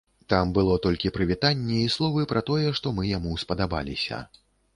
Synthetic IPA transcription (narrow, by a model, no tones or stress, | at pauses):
t̪ambɨlˠɔt̪ɔlʲkʲipɾɨvʲit̪anʲːɛislˠɔvɨpɾɐt̪ɔjɛʂt̪ɔmɨjamuspɐd̪aba̰lʲḭsʲɐ̰